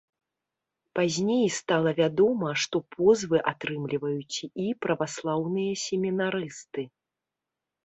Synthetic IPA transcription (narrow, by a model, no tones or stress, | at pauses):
pazʲnʲejst̪alˠɐvʲad̪ɔmɐʂt̪ɔpʰɔzvɨʔat̪ɾɨmlʲivɐjut͡sʲipɾɐvaslˠawnɨjɐsʲemʲinaɾɨst̪ɨ